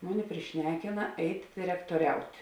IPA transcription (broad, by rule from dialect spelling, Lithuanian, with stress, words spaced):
ˈmʊˌnʲɪ pʲrʲɪˈʃʲnʲæːkʲɪnɐ ˈɛɪtʲ dʲɪrʲɛktoːˈrʲɛʊtʲ